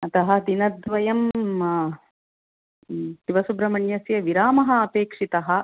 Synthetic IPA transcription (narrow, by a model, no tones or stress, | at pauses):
ɐt̪ɐɦɐ̆d̪inɐd̪ʋɐjɐm | t̪iʋɐsubɾɐmɐɳjɐsjɐʋiɾaːmɐɦɐɐpeːkʂit̪ɐɦɐ̆